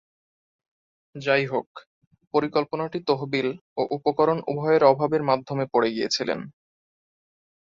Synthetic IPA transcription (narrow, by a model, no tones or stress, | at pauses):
d͡ʑajɦok | poɾikolponaʈit̪oɦbiloʔupokɔɾonṵbʱɔeeɾɔbʱabeɾmad̪ʱomepoɽeɡijḛt͡ɕʰilḛn